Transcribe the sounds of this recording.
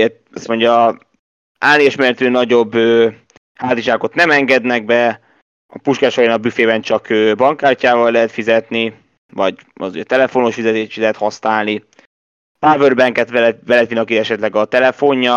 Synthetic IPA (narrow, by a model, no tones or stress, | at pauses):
ert̪̚ | ɒst̪mo̞ɲɟɒ | aːlniɛʃmɛrt̪øːnɒɟo̞bːøː | haːt̪iʃaːko̞t̪nɛmɛŋɡɛd̪nɛɡ̚bɛ | ɒpuʃkaːʃojinɒbyfeːbɛnt͡ʃɒkøːbɒŋkaːrcaːvɒlːɛɦɛt̪fizɛt̪ni | vɒɟɒ̰zuɟɒt̪ɛlɛfonoʃfizɛt̪eːʃilɛɦɛt̪hɒsnaːlni | t̪aːvørbɛŋkɛt̪vɛlɛvɛlɛt̪ʋinɒkiɛʃɛt̪lɛɡɒt̪ɛlɛfo̞ɲːɒ